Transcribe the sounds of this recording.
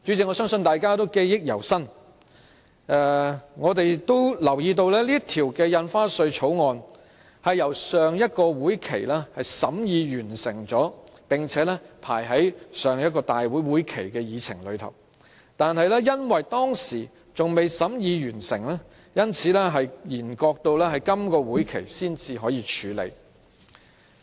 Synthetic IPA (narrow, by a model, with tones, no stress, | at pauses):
t͡ʃyː˨˥t͡sʰiː˨˥ŋɔː˨˧sœː˥ŋsɵ˧nt̪aː˨jkaː˥t̪o˥wke˥jjɪ˥k̚jɐ̰˨˩wsɐ˥n | ʔɛ˧ŋɔː˨˧t̪e˨jt̪o˥wlɐ˨˩wjiː˧t̪̬o˧wlɛː˥liː˥ɐ˥t̪ʰiː˨˩wkɛː˧jɐ˧nfaː˥sɵ˧ɥt͡ʃʰo˨˥wŋɔː˧n | hɐ˨jjɐ˨˩wsœː˨ŋjɐ˥t̚kɔː˧wuː˨˥jkʰḛ˨˩jlɛː˥hɐ˨jsɐ˨˥mjiː˨˧jyː˨˩nsɪ˨˩ŋt͡sɔː˨˥pɪ˨ŋt͡sʰɛː˨˥lɛ˥pʰaː˨˩jɦɐ˨˥jsœː˨ŋjɐ˥t̚kɔː˧t̪aː˨jwuː˨˥jwuː˨˥jkʰe˨˩jkɛː˧jiː˨˧t͡sʰɪ˨˩ŋlɵ˨˧ɥt̪ʰɐ̰˨˩w | t̪aː˨nhɐ˨˧jlɛː˥jɐ˥nwɐ˨jt̪ɔː˥ŋsiː˨˩ | t͡sʊ˨ŋme˨jsɐ˨˥mjiː˧jyː˨˩nsɪ˨˩ŋlɛː˥ | jɐ˥nt͡sʰiː˨˧˥lɛː˥ɦɐ˨jjiː˨˩nkɔː˧k̚t̪o˧wlɛː˥hɐ˨jkɐ˥mkɔː˧wuː˨˥jkʰe˨˩jsiː˥nt͡siː˧ɦɔː˨˥jiː˨˧t͡ʃʰyː˨˥lḛ˨˧j